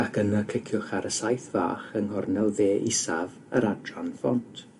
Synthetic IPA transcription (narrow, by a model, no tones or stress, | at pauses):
akʰənakʰɪkʰjʊχaɾəsajθva̰ːχənhɔrnɛlˠveːʔḭsav | ə̰ɾadranfɔntʰ